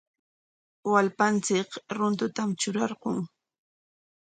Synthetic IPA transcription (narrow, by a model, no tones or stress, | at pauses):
walpant͡sɪkɾʊnt̪ʊt̪amt͡ʃʊɾɑɾqoŋ